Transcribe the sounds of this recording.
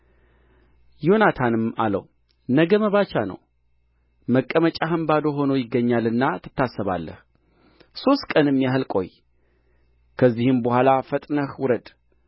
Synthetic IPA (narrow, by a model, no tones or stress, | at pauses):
jo̞nat̪ʰanɨmalə̰w | nəɡəməβat͡ʃːanə̰w | məkʼːəmət͡ʃʼaɦəmbad̪o̞ɦo̞nojɪɡːəɲːalɨnːat̪ʰɨ̥t̪ʰːasːəβa̰lːə̰h | so̞st̪kʼənɨmːjaɦɨlkʼo̞̰j | kʰəzːihɨmbəhʷalafət̪ʼnəhwʊɾəd̪